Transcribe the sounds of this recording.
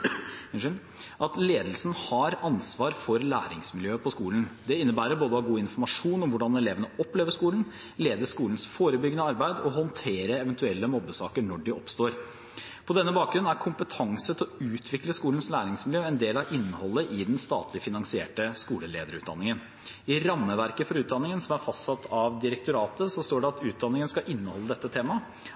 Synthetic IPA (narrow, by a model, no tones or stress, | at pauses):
ʔɑt̪leːd̪lsnhɑɾɑnsʋɑːɾfɔɾlæ̰ːɾɪŋsmɪljøːpʰɔskuːln̩d̪ɛɪnːəbæːɾəɾboːd̪əhɑɡuːɪnfɔɾmɑʂuːnɔmʋʊɖɑnɛleːʋənəɔpleːʋəʂkuːln̩ | leːd̪əʂkuːln̩sfoːɾəbʏɡənəɑɾbæɪd̪ɔɦɔnt̪ʰeːɾəɛʋɛnt̪ʉɛlːəmɔbːəsɑːkəɳɔɖɪʔɔpst̪oːɾ | pʰɔd̪ɛnːəbɑːk̚ɡɾʉn̩ːæɾkʰʊmpət̪ʰɑŋsət̪ʰɪlɔʉːt̪ʰʋɪkləskuːlən̩slæːɾɪŋsmɪljøːɛnd̪eːlɑɾʔɪnːəhɔlːəʔɪd̪ɛnst̪ɑ̰ːt̪ʰlɪfɪnɑŋsɪḛːʈəskuːləlḛːd̪əɾʉ̰ːt̪̚d̪ɑ̰nːɪŋən | ɪɾɑmːəʋæɾkəfɔɾʉːt̪̚d̪ɑnːɪŋənsɔmæɾfɑst̪sɑt̪ʰːɑʋd̪ɪɾɛk̚t̪ʊɾɑːt̪əsɔst̪oːɖɛɑt̪ʉːt̪̚d̪ɑnɪŋənəskɑʔɪnːəhɔlːəd̪ɛt̪ːət̪ʰeːmɑ